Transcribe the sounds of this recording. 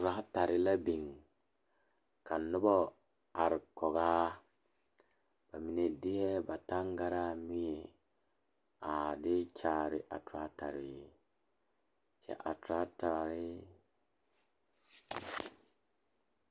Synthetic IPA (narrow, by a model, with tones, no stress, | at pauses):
tɾa˦ta˨ɾɪ˦la˦bi˨ŋ | ka˨nːʊ˦bɔ˦ | a˨ɾkɔ˨ɡa˦ | b̥a˨mi˨ne˨di˦hɛ˦ba˨ta˦ŋɡa˦ɾa˦mi˦je˨ | a˨dɪ˦t͡ʃa˨ɾɪ̰˨ʔa̰˨tu˨a˨˦ta˨ɾɪ˨ | t͡ʃɛ̰˨ʔa˨tɾa˦ta˨ɾɪ˦